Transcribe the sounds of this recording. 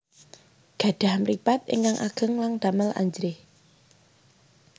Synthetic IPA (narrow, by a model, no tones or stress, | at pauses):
ɡ̥ä̤ɖ̪̥a̤hmripat̪̚ḛŋkaŋʔa̰ɡ̥ə̤ŋlaŋd̪̥aməlʔa̰ɲd͡ʒɾɪh